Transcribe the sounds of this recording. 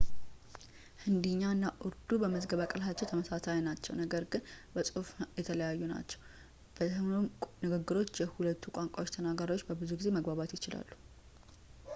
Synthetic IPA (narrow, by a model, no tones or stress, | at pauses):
hɨnd̪ɨɲːaɨnːaʔʊɾd̪ubəməzɡəβakʼɨlɦat͡ʃːɛwt̪ʰəməsasajnat͡ʃːɛ̰wnəɡəɾɡɨnbəsʼɨfjɛt̪ʰələjajːuna̰t͡ʃːɛ̥w | b̥əɨmonɨɡɨɡːɨɾo̞t͡ʃːjɛhulət̪ːukʼaŋkʼawo̞t͡ʃːt̪ʰənaɡaɾiwo̞t͡ʃːbəbɨzuɡize̞məɡbaβat̪jɪt͡ʃɪla̰lːu